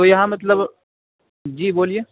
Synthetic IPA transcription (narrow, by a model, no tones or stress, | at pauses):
ojɐɦãmɐt̪ləb | d͡ʒiːboːlije